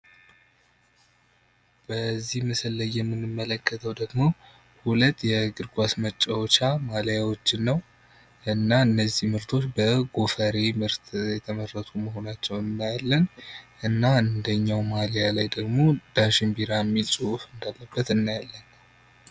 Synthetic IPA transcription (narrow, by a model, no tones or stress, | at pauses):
b̥əzːihmɨsəlːəjːɛmːɨnːɨmːələkːət̪ʰəwd̪əɡmo̞ | hulət̪ːjɛɡɨɾɡʷasmət͡ʃʼːawt͡ʃamaljawot͡ʃːɪnːəw | ʔɨnːaɨnːəzːihmɨɾt̪ʰo̞t͡ʃːbəɡo̞fəɾe̞mɨɾt̪ʰjɛt̪ʰəmərːət̪ʰuməɦo̞nat͡ʃːɛwɨnːajalːənʔɨnːaɨnd̪əɲːawmalejalajd̪əɡmo̞d̪̥aʃɪmbiɾamːilsʼuwufɨnd̪alːəbːət̪ɨnːajalːən